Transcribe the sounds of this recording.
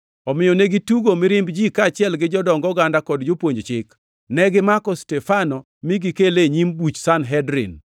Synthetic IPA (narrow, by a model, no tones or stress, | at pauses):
ɔmɪjɔneɡituɡomɪɾɪmbd͡ʒikat͡ʃɪɛlɡɪd͡ʒɔdɔŋɡɔɡandakɔdd͡ʒopwoɲd͡ʒt͡ʃɪk | nɛɡɪmakɔstɛfanɔ | miɡikeleɲimbut͡ʃsanɦɛdɾɪ̰n